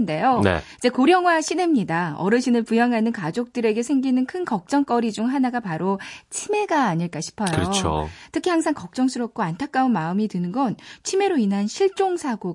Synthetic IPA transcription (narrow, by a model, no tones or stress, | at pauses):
nde̞jonḛid͡ʑe̞koɾjʌŋwaɕʰinemɲidaʌ̰ɾɯɕʰinɯɭpujaŋɦanɯnkad͡ʑok̚t͈ɯɾe̞ɡe̞sʰeŋɡinɯnkʰɯnkʌk̚t͡ɕ͈ʌŋk͈ʌɾid͡ʑuŋɦanaɡapaɾot͡ɕʰime̞ɡaːɲiɭk͈aɕʰi̥pʰʌjkoɯɾʌt͡ɕʰo̰tʰɯkʰihaŋsʰaŋkʌk̚t͡ɕ͈ʌŋsʰɯɾʌp̚k͈oantʰak͈aunmaɯmitɯnɯnɡʌnt͡ɕʰime̞ɾoinɦanɕʰiɭt͡ɕ͈oŋsʰaɡo